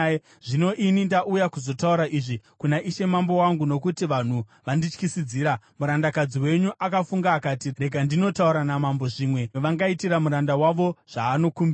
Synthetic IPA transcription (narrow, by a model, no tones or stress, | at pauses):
ʐ̥ino̞ʔinindaʔujakuzo̞tauɾaʔiʐikunaʔiʃe̞mambo̞waŋɡuno̞kutiʋan̤uʋandit͡ʃkisid͡ziːɾa | muɾandakad͡ziwe̞ɲuʔakafuŋɡaːkatire̞ɡʱandino̞tauɾanamambo̞ʐiːmwe̞ʋaŋɡaitiɾamuɾandawaʋo̞ʐ̥aːno̞kumbi